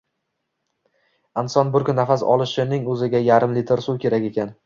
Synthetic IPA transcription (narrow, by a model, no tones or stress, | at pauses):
ansɒnbʊɾkʰʲʊnːafasɒ̰lˠɪʃɪnɪŋɵzɪɡʲajaɾɪmlit̪ʰɪɾsukʲʰe̞ɾakʲe̞kʲʰan